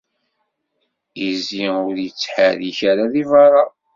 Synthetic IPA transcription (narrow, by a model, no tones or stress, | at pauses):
iziʊɾjət͡sːħəðiçaɾaðivɑɾˤɑ